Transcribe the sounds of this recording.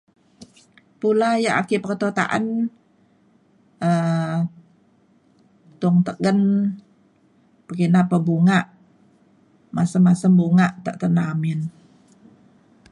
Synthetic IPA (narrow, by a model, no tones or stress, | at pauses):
pulajaʔa̰kipərt̪ot̪a̰ʔa̰n | ə | t̪ʊŋt̪əɡən | pəɡinapəbuŋaʔ | masəmasəmbuŋaʔt̪ə̰ʔt̪ənamɪn